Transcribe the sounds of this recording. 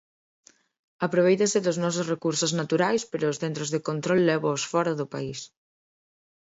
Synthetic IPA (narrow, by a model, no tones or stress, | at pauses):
apɾoβ̞ejt̪asɪðʊznɔsosrekuɾsʊznat̪uɾajspeɾʊːsθent̪ɾozðekont̪ɾɔlːɛβoːsfɔɾaðʊpa̰is